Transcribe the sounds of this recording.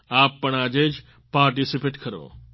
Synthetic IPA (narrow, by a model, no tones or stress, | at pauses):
aːpːəɳaːd͡ʒed͡ʒ | paːɾʈisipeʈkʰəɾo̰